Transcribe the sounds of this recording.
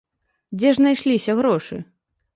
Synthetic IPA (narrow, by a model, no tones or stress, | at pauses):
d͡zʲɛʐnajʂlʲisʲɐɣɾɔʂɨ̰